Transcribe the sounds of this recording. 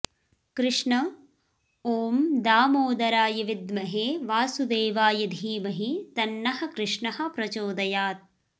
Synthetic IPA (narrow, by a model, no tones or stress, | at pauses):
kɾɪʂɳɐ | oːmd̪aːmoːd̪ɐɾaːjɐʋid̪mɐɦeːʋaːsud̪eːʋaːjɐd̪ʱiːmɐɦit̪ɐnːɐɦɐ̆kɾɪʂɳɐɦɐ̆pɾɐt͡ʃoːd̪ɐjaːt̪̚